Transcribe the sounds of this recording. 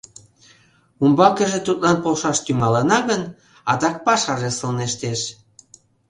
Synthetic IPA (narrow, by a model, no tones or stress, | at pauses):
umbɑkeʒĕt̪ut̪lɑnpolʃɑʃt̪ymɑlənɑɣən | ɑt̪ɑk̚pɑʃɑʒesəlneʃt̪eʃ